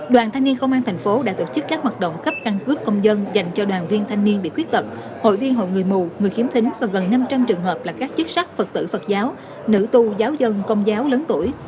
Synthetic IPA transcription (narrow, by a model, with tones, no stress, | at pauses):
ɗwaː˨˩nt̪ʰa˧jŋ̟ni˧ənkə˧wŋ͡mʔaː˧nt̪ʰa˨˩jŋ̟fo˨˦ɗa̰ː˧˥t̪o˧˩t͡ɕɨ˦˥kːaː˦˥k̚hwaː˨˩t̚ɗo̰˧˨wŋ͡mkə˦˥p̚ka˧ŋkɨ˦˥əkːə˧wŋ͡mzə˧nza˨˩jŋ̟t͡ɕɔ˧ɗwaː˨˩nvi˧ənt̪ʰa˧jŋ̟ni˧ənɓḭ˧˨kwət̚t̪ə˨˩k͡p̚ | ho̰˧˨jvi˧ənɦo̰˧˨jŋɨ˨˩əjmu˨˩ŋɨ˨˩əjxi˨˦əmt̪ï˨˦ŋ̟vaː˨˩ɣə˨˩nːa˧mt͡ɕa˧mt͡ɕɨ˨˩əŋɦəː˨˩p̚laː˨˩kaː˦˥k̚t͡ɕɨ˦˥k̚sa˦˥k̚fə˨˩t̚t̪ɨ̰˧˨fə˨˩t̚zaː˨˦w | nɨ̰˧˥t̪u˧zaː˨˦wzə˧nkə˧wŋ͡mzaː˨˦wləː˨˦nt̪u˧˩əj